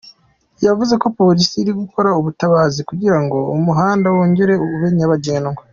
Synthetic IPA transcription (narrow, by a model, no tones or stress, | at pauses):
javuze̞ko̞po̞ɾisiːɾiɡuko̞ɾauβutaβaːzikuɟiɾaŋɡo̞umuɦaːndawoːɲɟeɾe̞uuβeɲaβaɟeːnŋɡo